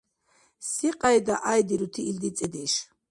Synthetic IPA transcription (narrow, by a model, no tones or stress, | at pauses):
siqʼajd̪aʔajd̪iɾut̪ʰiːld̪it͡sʼɛd̪iʃ